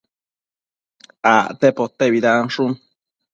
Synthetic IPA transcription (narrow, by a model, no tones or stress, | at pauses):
aʔt̪epot̪ːeβid̪anʂun